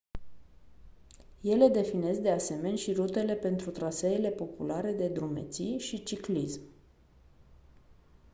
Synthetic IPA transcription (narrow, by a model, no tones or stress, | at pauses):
je̞le̞d̪e̞fine̞sd̪e̞ase̞me̞nʲʃiɾut̪e̞le̞pe̞nt̪ɾut̪ɾaseːle̞po̞pulaɾe̞d̪e̞d̪ɾume̞̰t̪sijʃit͡ʃiklism